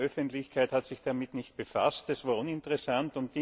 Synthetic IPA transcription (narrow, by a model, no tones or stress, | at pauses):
ʔœfəntlɪçkʰaɪthatsɪçd̥amɪtnɪçtb̥efa̰stɛsv̥aːɐʔʊnɪntəʁɛsantʊntdi